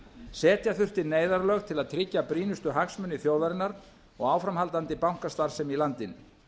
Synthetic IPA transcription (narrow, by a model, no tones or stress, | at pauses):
sɛːt̪jaθʏr̥t̪ɪneːjðaɾlœːɣt̪ʰɪlaðt̪ʰɾɪcːapɾiːnʏst̪ʏɦaksmʏnːɪθjoːwðaɾɪnaɾ | ɔɣaːwfɾamɦalt̪ant̪ɪpawŋ̥kast̪aɾ̥sɛmilant̪ɪnʏ